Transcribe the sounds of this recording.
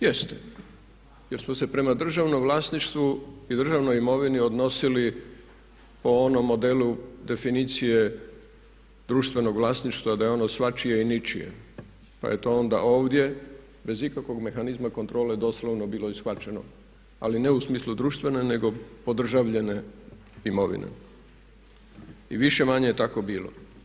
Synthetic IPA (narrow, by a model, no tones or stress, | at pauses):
jest̪e̥ | jeɾsmose̞pɾe̞mad̪r̩ʒaʋnomʋlˠaːsniʃt̪ʋuid̪r̩ʒaʋnojimo̞ʋinio̞d̪no̞sili | po̞onomːo̞d̪e̞lud̪e̞finit̪sije̞ | d̪ɾuːʃt̪ʋe̞no̞ɡʋlˠaːsniʃt̪ʋad̪ajeo̞nosʋat͡ʃije̞init͡ʃijḛ | pa̰je̞t̪o̞o̞nd̪a̰ʔo̞ːʋd̪je̞ | be̞zikakʋo̞ɡme̞xanizmako̞nt̪ɾo̞ːled̪o̞sloʋno̞biːlo̞isxʋat͡ʃe̞no̞̰ | a̰line̞usmiːslud̪ɾuːʃt̪ʋe̞ne̞ne̞ɡo̞po̞d̪r̩ʒaʋʎe̞ne̞ | imo̞ʋḭnḛ | iʋiʃe̞maɲejet̪ako̞biːlo̞̰